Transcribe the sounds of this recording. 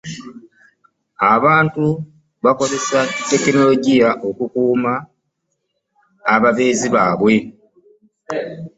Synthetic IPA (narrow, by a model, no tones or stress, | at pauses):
aβaːntu | βako̞ze̞satːe̞kino̞lo̞ɟijaʔo̞kukuːma | βaβe̞ːziβaːβwe̞